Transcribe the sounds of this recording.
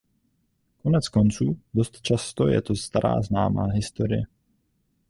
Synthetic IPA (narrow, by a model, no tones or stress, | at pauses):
konɛt͡skont͡suːdost̪t͡ʃast̪ojɛ̰t̪ost̪aɾʔa̰ːznaːma̰ːɦɪst̪oɾɪjɛ